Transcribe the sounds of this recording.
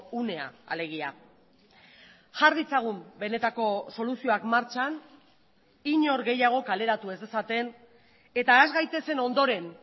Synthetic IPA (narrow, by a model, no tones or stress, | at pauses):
une̞a̰a̰le̞ɣ̞ia | ʝaɾðit͡saɣ̞umbe̞ne̞t̪ako̞so̞lusio̞akmaɾt͡ʃan | iɲo̞ɾɣe̞jaɣ̞o̞kale̞ɾat̪ue̞zd̪e̞sat̪e̞n | e̞t̪aːzɣajt̪e̞se̞no̞nd̪o̞ɾe̞n